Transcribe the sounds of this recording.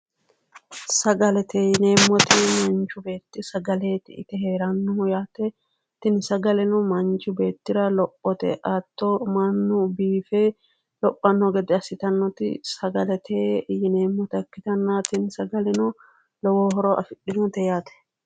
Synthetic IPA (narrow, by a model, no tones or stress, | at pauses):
sɐɡɐlɛt̪ejneːmːɔt̪emɐnt͡ʃʊbe̞ːt̪ːɪsɐɡɐle̞ːt̪ɪɪt̪ɛhe̞ːɾɐnːɔjaːt̪ɛ | t̪ɪnsɐɡɐlɛnʊmɐnt͡ʃʊbe̞ːt̪ːɪɾɐlɔpʼːɔt̪ɛ̰ʔat̪ːomɐnːʊbiːfe | lɔpʼːɐnːɔɡɛd̪ɛɐsɪt̪ɐnːɔt̪ɪ̰sɐɡɐlɛt̪ʰeːjɪne̞ːmːɔt̪ɐkːɪt̪ɐnːat̪ɪnsɐɡɐlɛnʊ | lɔwoːhɔɾoːʔɐfɪᶑːɪnɔt̪ɛjaːt̪ɛ̥